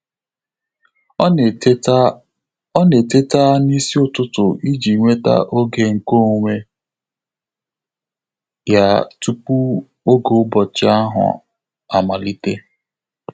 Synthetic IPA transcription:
ɔ˦ne˨te˦ta˦ni˦si˦ʊ˦tʊ˦tʊ˨ʔi˦d͡ʒi˨ŋʷe˦ta̰˦ʔo˦ɡe˨ŋ̩˨ko˦˨ŋʷe˦ | ja˦tu˦pu˦ | o˦ɡo˨˦bɔ˨t͡ʃɪ˦a˦ɦʊ̰˨ | a˨ma˨li˦te˦

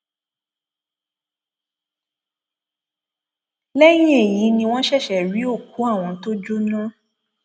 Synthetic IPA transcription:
lɛ˦j̃ĩ˦e˦˨ji˨˦nĩ˧w̃ɔ̃˦ʃɛ˦˨ʃɛ˨ɾi˨˦o˦˨ku˨˦a˦˨w̃ɔ̃˧to˦d͡ʒu˦nã˦

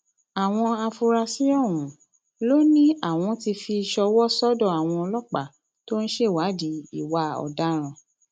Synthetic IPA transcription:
a˨w̃ɔ̃˧a˧fu˧ɾa˧sĩ˦ɔ˦˨ɾũ˨˦ | lo˦nĩ˦a˦˨w̃ɔ̃˧ti˧fi˧ʃɔ˧wɔ˦sɔ˦dɔ˦˨a˨w̃ɔ̃˧ɔ˧lɔ˦k͡pa˦˨ | to˦ñ̩˦ʃe˦˨wa˨˦di˨˦i˦˨wa˧˦ɔ̰˨da˦ɾ̃ã˧˨

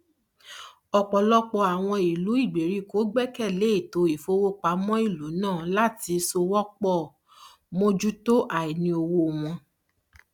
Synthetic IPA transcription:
ɔ˨k͡pɔ˨lɔ˦k͡pɔ˧˨a˨w̃ɔ̃˧i˨lu˨˦i˦˨ɡ͡be˨ɾi˦ko˨˦ɡ͡bɛ˦kɛ˦˨le˨˦i˦˨to˨˧i˨fo˧˦wo˦k͡pa˨˦mɔ̃˦i˦˨lu˨˦nãː˦˨la˦ti˧so˧wɔ˦k͡pɔ˦˨ | mo˧d͡ʒu˦to˦ʔa˨i˨nĩ˧o˧wo˧˨w̃ɔ̃˧

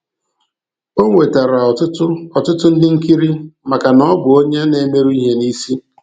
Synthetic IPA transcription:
o˦ŋʷe˨ta˨ɾa˨tʊ˦ʊ˦ɔ˨tʊ˦tʊ˦n̩˦dɪ˦ŋ̩˦ki˦ɾi˦ma˨ka˨nɔ˦bʊ˨o˦ɲe˦ne˨˦me˦ɾu˦i˦ɦe˦ni˦si˦

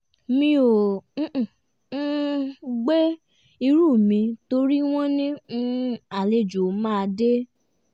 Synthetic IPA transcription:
mĩ˧õ˨˦˨ | ɡ͡be˦ | i˧ɾuː˦˨mĩ˧to˧ɾi˦w̃ɔ̃˦nĩ˦ũ˦a˨le˧˨d͡ʒo˨˦mãː˦˧de˦

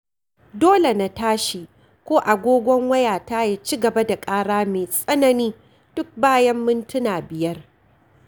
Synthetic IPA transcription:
doː˦le˨na˨taː˦ʃi˨ | kʷoː˦ʔa˨ɡʷoː˦ɡʷɔ˦ŋwɐ˦jaː˨taː˦ja˦t͡ʃiː˦ɡɐ˨ba˦da˨kʼaː˦ɽaː˦meː˨sʼɐ˦nɐ˨niː˦ | d̥ʊ˦k̚baː˦jɐ˦mːɪ˦ntʊ˦naː˨bɪ˨jɐ˦r

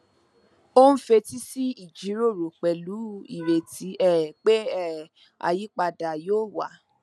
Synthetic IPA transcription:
o˦ñ̩˦fe˧ti˦si˦i˦˨d͡ʒi˨˦ɾo˦˨ɾo˨k͡pɛ˨lu˨˦ḭ˦˨ɾe˨ti˨˦ɛ˦˨k͡pe˦ɛ˦˨ | a̰˧ji˦k͡pa˧da˨joː˦˨wa˨˦

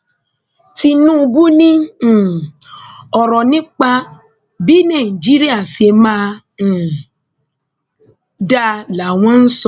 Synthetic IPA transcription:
ti˧nũ˦u˧bu˦nĩ˦˨ | ɔ˨ɾɔ˨nĩ˦k͡pa˧ | bi˨˦nã˦˨d͡ʒi˦ɾi˦a˦˨se˧mã˦˨ | da˦la˨w̃ɔ̃˦n̩˦sɔ˦˨

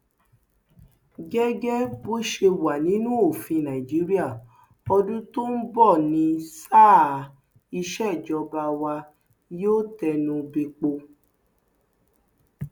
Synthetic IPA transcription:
ɡɛ˦ɡɛ˦bo˦ʃe˧wa˨nĩ˨˦nũ˦o˦˨fĩ˧nã˨i˨d͡ʒi˨˦ɾi˦a˦˨ | ɔ˧dũ˦to˦n̩˦bɔ˦˨nĩ˧saː˦˨ | i˧ʃɛ˦˨d͡ʒɔ˧ba˧wa˧ | joː˦tɛ˧nũ˧bi˧k͡po˧

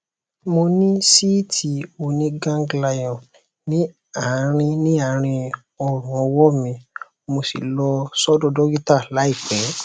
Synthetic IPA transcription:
mo˧nĩ˦si˦tʰi˧o˧nĩ˧ɡã˦ŋ˦ɡla˧jɔ̃˨ | nĩ˨˦ | a˨˦ɾ̃ĩ˧nĩ˦a˦˨˦ɾ̃ĩ˧ | ɔ˦˨ɾũ˨ɔ˧wɔ˦mĩ˧ | mo˧si˨lɔ˧sɔ˦dɔ̃˦dɔ˦ɡi˦ta˦˨la˨˦i˦˨k͡pɛ˨˦

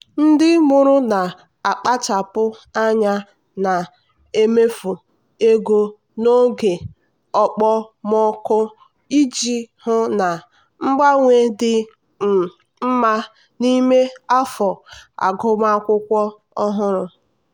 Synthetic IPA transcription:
n̩˦dɪ˦mu˦ɾʊ˦na˨ | a˨k͡pa˦t͡ʃa˨pʊ˦a˦ɲa˦ | na˨ | e˦me˦fu˨ | e˦ɡo˦ | no˦ɡe˨ | ɔ˨k͡pɔ˦mɔ˦kʊ˦ | i˦d͡ʒi˦hʊ˦na˨ | ŋ͡m̩˦ɡ͡ba˦ŋʷe˦dɪ˦˨ | m̩˦ma˦ | ni˦me˦a˦fɔ˨a̰˨ɡʊ˦ma˦kʷʊ˦kʷɔ˦ | ɔ˦ɦʊ˦ɾʊ˨

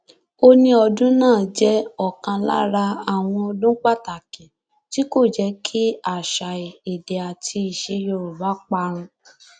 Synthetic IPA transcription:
o˦nĩ˧ɔ˧dũ˦nãː˦˨d͡ʒɛ˦ɔ˦˨kã˧la̰˦ɾa˧a˨w̃ɔ̃˧ɔ˧dũ˦k͡pa˦˨ta˨kĩ˨ | ti˦ko˦˨d͡ʒɛ˨˧˦kʰi˦a˦˨ʃa˨i˨i˨de˨a˨tʰi˧i˨ʃe˧jo˧ɾu˨ba˨˦k͡pa˧ɾ̃ũ˧

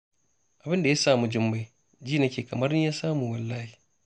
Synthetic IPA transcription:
ʔa˨bɪ˦nda˨ja˦saː˦˨mu˨d͡ʒɪ˦mba˦ | d͡ʒiː˦na˦kʲeː˨kɐ˨mɐ˦rni˦jaː˦saː˦mu˨wɐ˨lːaː˦hi˨

